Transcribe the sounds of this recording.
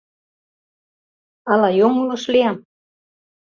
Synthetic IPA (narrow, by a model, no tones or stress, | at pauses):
ɑlɑjoŋloʃleɑm